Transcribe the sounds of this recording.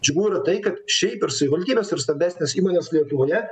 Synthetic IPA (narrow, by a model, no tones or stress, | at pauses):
d͡ʒʲʊɡuːɾɐt̪ɐɪkɐt̪ʃʲɛɪpɪɾsɐʋʲiːʋɐlʲt̪ʲiːbʲeːsɪɾst̪ɐbʲæːsʲnʲeːsiːmoːnʲeːslʲiɛt̪ʊʋoːjɛ